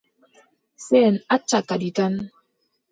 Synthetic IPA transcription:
sɛnat͡ʃakaditan

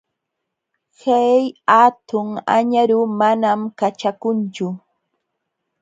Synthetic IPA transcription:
hajat̪ʊŋa̰ɲaɾʊmanamkat͡ʃakʊnt͡ʃʊ

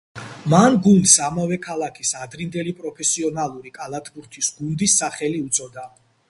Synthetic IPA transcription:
manɡund̪samavɛkʰalˠakʰisad̪ɾind̪ɛlipʼɾɔpʰɛsiɔnalˠuɾikʼalˠat̪ʰbuɾt̪ʰisɡund̪isːaχɛliut̪sʼɔd̪a

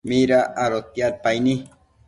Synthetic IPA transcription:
miɾaʔaɾot̪jaɾ̚pajni

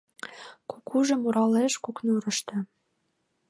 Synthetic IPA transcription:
kukʰuʒə̆muɾɑleʃkuknuɾə̆ʃt̪ɤ̆

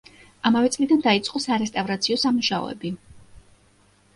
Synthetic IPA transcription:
amavɛt̪sʼlid̪and̪ait̪sʼqʼɔsaɾɛst̪ʼavɾat̪sʰiɔsamuʃaɔ̰ɛ̰bi

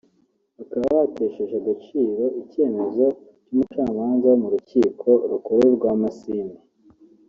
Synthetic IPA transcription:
βakaβaβaatʰe̞ːʃeʃaɡat͡ʃiːɾo̞ʔice̞ːme̞zo̞ | cumut͡ʃaːmaːnzamuɾuciːkʰo̞ɾukoɾeɾɡwaːmasiːne

